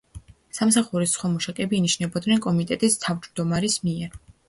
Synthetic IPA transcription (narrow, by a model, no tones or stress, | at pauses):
samsaχuɾisχwamɔʃakʼɛbiːniʃnɛbɔd̪nɛnkʼɔmit̪ʼɛt̪ʼist̪ʰavd͡ʒd̪ɔmaɾismiɛɾ